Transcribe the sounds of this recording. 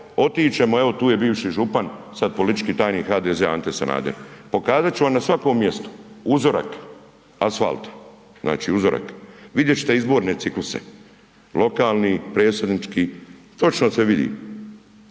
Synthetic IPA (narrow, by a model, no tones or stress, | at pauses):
o̞t̪iːt͡ʃe̞moe̞ʋo̞t̪uːje̞biːʋʃiʒupansad̪̚po̞lit̪i̥t͡ʃkiːt̪aːjniːxaːd̪ezeant̪esa̰na̰ːd̪eɾpo̞kaːzat̪̚t͡ɕuʋamnasʋakoːmːje̞st̪o̥uzoɾa̰k | asfa̰lt̪ḁ | zna̰ːt͡ʃḭːuzoɾʔa̰kʋid̪jet͡ɕt̪eizbo̞ːɾne̞t̪iklusḛ | lo̞kaːlnipɾe̞ːsed̪nit͡ʃkiː | t̪o̞t͡ʃnoseʋid̪ḭːm